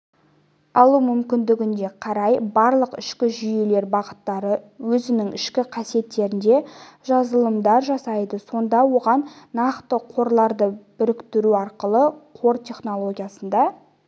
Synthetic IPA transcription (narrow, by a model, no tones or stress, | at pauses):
ɑlˠumʏmkʲɪnd̪ɪɡʲɪnd̪e̞qʰɑɾɑjbɑɾlˠəqɪʃkʲɪʒʏjele̞ɾbɑʁət̪ːɑɾəwɵzɪnɪŋɪʃkʲɪqʰɑsije̞t̪ːe̞ɾɪnd̪e̞ʒɑzəlˠəmd̪ɑɾʒɑsɑjd̪əso̞nd̪ɑwo̞ʁɑnːɑqt̪əqʰo̞ɾlˠɑɾd̪əbʏɾɪkt̪ɪɾuɑɾqəlˠəqʰo̞ɾt̪ʲʰe̞χno̞lˠo̞ɡʲijasənd̪ɑ